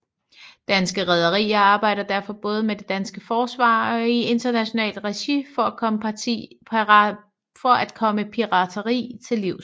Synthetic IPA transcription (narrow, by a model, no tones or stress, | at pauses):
d̥ænsɡ̥əʁɛð̞ˠɐʁḭːɐɑ̈ːb̥ɑ̈ɪ̰ɾ̥ɐd̥æɐfɒ̽b̥ɔ̽ːð̞ˠəmed̥e̝d̥ænsɡ̥əfɒːsʋɑ̰̈ːɒ̽ie̝nd̥ɐnæɕo̝nɛ̰ːld̥ʁɛɕifɒ̽ækʰɒ̽məḭ | fɒ̽ʔæd̥kʰɒ̽məpʰiʁɑ̈t͡sʰɐʁḭːt͡sʰe̝liʊ